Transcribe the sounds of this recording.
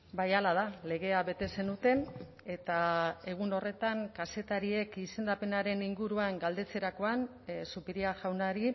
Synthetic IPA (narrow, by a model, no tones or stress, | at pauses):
bajalað̞ale̞ɣe̞aβe̞t̪e̞se̞nut̪e̞n | e̞t̪ae̞ɣ̞uno̞re̞t̪aŋkase̞t̪aɾie̞kise̞nd̪ape̞naɾe̞niŋɡuɾuaŋɡald̪e̞t͡se̞ɾako̞an | supiɾiaʝawnaɾi